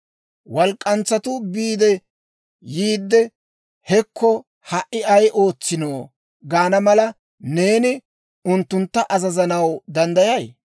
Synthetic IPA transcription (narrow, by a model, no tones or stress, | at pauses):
wɐlkʼːɐnt͡sːɐt̪ʊbiːd̪ɛ | jiːd̪ːɛ | hɛkʰːɔ | hɐʔːɪɐjʔo̞ːt͡sːɪnoː | ɡaːnɐmɐlɐ | ne̞ːnɪ | ʊnt̪ːʊnt̪ːɐʔɐzɐzɐnɐwd̪ɐnd̪ɐjɐj